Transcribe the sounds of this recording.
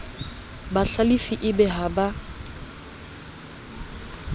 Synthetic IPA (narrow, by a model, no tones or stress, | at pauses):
baɬalifiʔɪbɛɦaba